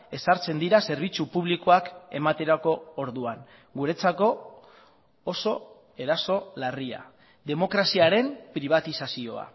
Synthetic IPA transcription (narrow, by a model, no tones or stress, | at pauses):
e̞saɾt͡se̞nd̪iɾase̞ɾβ̞it͡supuβ̞likoake̞̰mat̪e̞ɾako̞oɾðuaŋ | ɡuɾe̞t͡sako̞ | so̞ | e̞ɾaso̞laria̰ | ðe̞mo̞kɾasiaɾe̞mpɾiβ̞at̪isasio̞a̰